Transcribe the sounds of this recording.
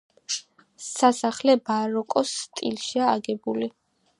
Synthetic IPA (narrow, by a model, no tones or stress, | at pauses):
sasaχlɛbaɾɔkʼɔst̪ʼḭlʃiaːɡɛbuli